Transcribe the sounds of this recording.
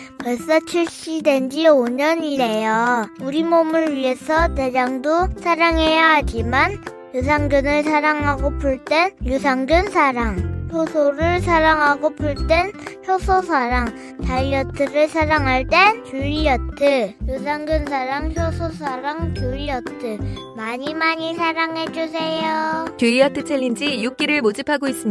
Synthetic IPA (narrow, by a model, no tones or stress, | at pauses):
kʌɭs͈ʌt͡ɕʰiɭɕ͈idwe̞nd͡ʑioɲʌɲiɾe̞jʌuɾimomuɭɥie̞sʰʌte̞d͡ʑaŋdosʰaɾaŋejaɦad͡ʑiman | jus̬ʰaŋɡɯnɯɭsʰaɾaŋɦaɡopʰuɭt͈enjusʰaŋɡɯnsʰaɾaŋçʰjosʰoɾɯɭsʰaɾaŋɦaɡopʰuɭt͈wençjosʰosʰaɾaŋ | taɭjʌtʰɯɾɯɭsʰaɾaŋɦaɭt͈e̞nkuɾiʌtʰɯjus̬ʰaŋɡɯns̬ʰaɾaŋçʰjosʰosʰaɾaŋkjuiʌtʰɯ | maɲimaɲisʰaɾaŋɦe̞d͡ʑus̬ʰejokjuiʌtʰɯt͡ɕʰeʎːind͡ʑijuk͈iɾɯɭmod͡ʑipʰaɡois͈ɯmia